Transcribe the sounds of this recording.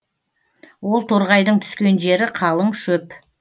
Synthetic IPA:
wo̞lˠt̪ʰoɾʁɑjd̪əɴt̪ʰʏ̥skʲe̞nʒe̞ɾɪqʰɑlˠəɴʃɵp

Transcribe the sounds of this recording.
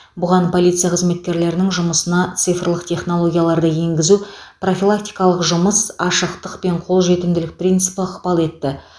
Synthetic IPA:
bʊʁɑnpʰo̞lʲijt̪sɨjaqʰəzme̞t̪̚kʲe̞ɾle̞ɾɪnɪŋʒʊməsənɑt̪sɨjfərlˠəqt̪ʲʰe̞χno̞lˠo̞ɡʲijalˠɑɾd̪əje̞ŋɡʲɪzupro̞fʲilˠak̚t̪ʲi̥jkɑlˠəqʒʊməsɑʃəqt̪əqpe̞ɴqʰo̞lˠʒe̞t̪ɪmd̪ɪlɪk̚prʲijnt̪sɨpəəqpɑlˠe̞t̪ːɪ

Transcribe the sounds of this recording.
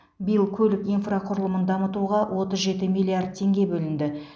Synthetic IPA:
bijəlˠkʲʰɵlɪkijnfraqʰʊɾəlˠəmənd̪ɑmət̪uʁɑwʔo̞t̪əzʒe̞t̪ɪmijlʲˠiard̪̚t̪ʰe̞ŋɡʲe̞bɵlɪnd̪ɪ

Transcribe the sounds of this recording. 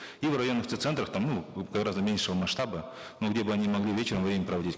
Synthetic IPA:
ivrɐjo̞nːəft̪ɨt̪sɛnt̪ɾəxt̪amnuɡɐɡɾazd̪əmʲenʲʂɨvəmɐsʂt̪abə | noɡdʲe̞bɨɐnʲimɐɡlʲivʲet͡ɕɪɾəmvɾʲemʲnəpɾəɐvɐdʲit̚ʲ

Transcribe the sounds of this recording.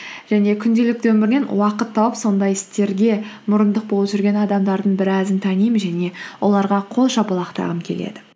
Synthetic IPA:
ʒ̥æne̞kʲʰʏnd̪e̞lɪk̚t̪wɵmɪɾɪne̞nwɑqət̪ʰːɑwəpso̞nd̪ɑjɪst̪e̞ɾɡʲe̞mʊɾənd̪əq̚bo̞lˠəpʒʏɾɡʲe̞nɑd̪ɑmd̪ɑɾd̪əɴbɪɾæzɪnt̪ʰænijmɪnʒæne̞wʔo̞lˠɑɾʁɑqʰo̞lˠʃɑbɑlˠɑqt̪ɑ̰ʁəmkʲʰe̞̰lḛd̪ɪ

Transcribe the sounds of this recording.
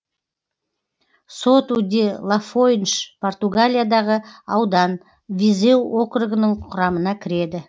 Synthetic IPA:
sot̪ud̪ʲelˠafojnʃpʰo̞rt̪uɡalʲijad̪ɑʁəɑwd̪ɑn | vʲizewokrʊɡənəɴqʰʊɾɑmənɑkʲʰɪɾe̞d̪ɪ

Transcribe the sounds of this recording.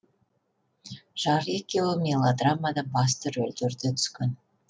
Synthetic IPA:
ʒ̥ɑɾekʲːewomʲelˠod̪ramːad̪ɑbɑs̬t̪əɾɵld̪eɾd̪et̪ʰʏ̥skʲɪn

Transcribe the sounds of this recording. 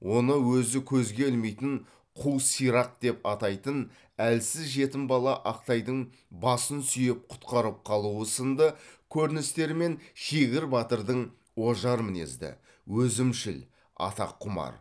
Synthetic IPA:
wʔo̞nəwɵzɪkʲʰɵzɡʲe̞ɪlme̞jt̪ɪɴ | qʰuwsijɾɑq̚d̪̥e̞pɑt̪ɑjt̪ən | ælsɪzʒe̞t̪ɪmbɑlˠɑʔɑqt̪ɑjd̪əɴ | bɑsənsʏjɪp̚qʰʊ̥t̪qɑɾəp̚qʰɑlˠuəsənd̪əkʲʰɵɾɪnɪst̪e̞ɾme̞nʃeɡʲɪɾbɑt̪əɾd̪əɴ | wo̞ʒɑɾmɪne̞̰zd̪ɪ̰ | wɵzɪmʃɪl | ɑ̰t̪ɑ̰qʰːʊmɑ̰ɾ

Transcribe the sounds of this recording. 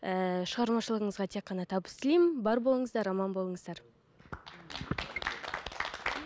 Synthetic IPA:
əʃəʁɑɾmɑʃəlˠəʁəɴəzʁɑt̪ʰe̞k̚qːɑnɑt̪ʰɑbəst̪ɪlejmɪnbɑɾbo̞lˠəɴəzd̪ɑɾɑmɑnbolˠəɴəzd̪ɑɾ

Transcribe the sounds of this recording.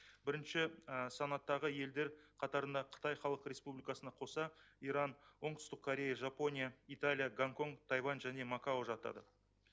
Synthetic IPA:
bɪɾɪnʃɪsɑnɑt̪ːɑʁəje̞ld̪e̞ɾqʰɑt̪ɑɾənd̪ɑqʰə̥t̪ɑjχɑlˠəqɾʲe̞spublijkɑsənɑqʰo̞sɑiɾɑnwo̞ɴd̪ʊ̥st̪əq̚kʰːoɾʲe̞jaʒapo̞nʲijait̪alʲˠijaɡaŋko̞ŋt̪ʰɑjvɑnʒæne̞makaoʒɑt̪ɑ̰d̪ə̰

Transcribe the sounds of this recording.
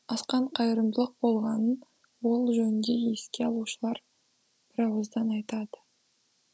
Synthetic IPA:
ɑsqɑɴqʰɑjəɾəmd̪əlˠəq̚bo̞lˠʁɑnən | wo̞lˠʒɵnɪnd̪ʲe̞je̞skʲe̞ɑlˠuʃəlˠɑɾ | b̥ɪɾɑwəzd̪ɑnɑjt̪ɑd̪ə̥

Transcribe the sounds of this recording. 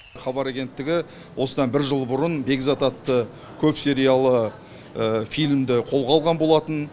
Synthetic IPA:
χɑbɑɾaɡʲe̞nt̪ːɪɡʲɪ | wʔo̞səd̪ɑnbɪɾʒəlˠbʊɾənbe̞ɡʲzɑt̪ɑt̪ːə | kʲʰɵpse̞ɾijalˠə | əfijlʲmd̪ɪqʰo̞lˠʁɑlˠʁɑnbo̞lˠɑt̪ən

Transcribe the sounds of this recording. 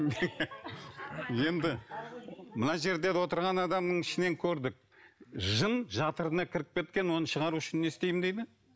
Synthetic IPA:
je̞nd̪ɪ | mənɑʒe̞ɾd̪e̞d̪ewo̞t̪əɾʁɑnɑd̪ɑmnəɴɪʃɪne̞ŋkʲʰɵɾd̪ɪk̚ʒənʒɑt̪əɾənɑkʲʰɪɾɪp̚kʲe̞t̪kʲe̞nwo̞nəʃəʁɑɾuʏʃɪnːe̞st̪e̞jmd̪ejd̪ɪ

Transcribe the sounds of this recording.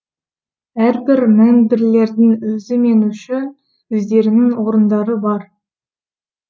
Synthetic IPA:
æɾbɪɾmæŋnbɪɾle̞ɾd̪ɪŋɵzɪme̞nuʃɪ | ʏzd̪e̞ɾɪnɪŋwo̞ɾənd̪ɑɾəbɑɾ

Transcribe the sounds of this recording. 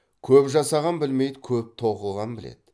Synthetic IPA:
kʲʰɵpʒɑsɑʁɑnbɪlme̞jd̪ɪkʲʰɵp̚t̪ʰo̞qəlˠʁɑnbɪlḛd̪̥ɪ

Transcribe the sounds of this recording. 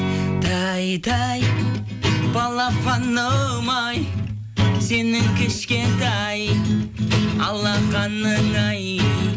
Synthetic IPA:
d̪̥ɑjd̪ɑj | bɑlˠɑpɑnːɑmɑj | se̞nɪŋkʲʰɪʃkʲe̞nt̪æj | ɑlˠːɑqɑnːəŋɑj

